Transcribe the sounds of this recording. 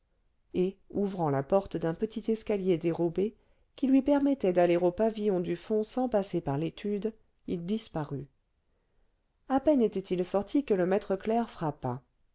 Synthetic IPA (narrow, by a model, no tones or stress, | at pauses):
euvʁɑ̃lapɔʁt̪d̪ɛ̃pət̪ʰit̪ɛskaljed̪eʁobe | kʲilɥipɛʁmɛt̪ɛd̪aleʁopavijɔ̃d̪yfɔ̃sɑ̃pasepaʁlet̪ʰyd̪ | ild̪ispaʁy | apɛnet̪ɛt̪ilsɔʁt̪ʰikələmɛt̪χəklɛʁfχapa